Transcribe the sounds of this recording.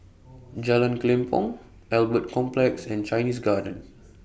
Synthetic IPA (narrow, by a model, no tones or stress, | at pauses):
d͡ʒalãnklɛ̃mpʰɔ̰̃ŋ | ʔɛlbət̚kʰɔ̃mplɛksɛ̃nt͡ʃajnisɡadə̃n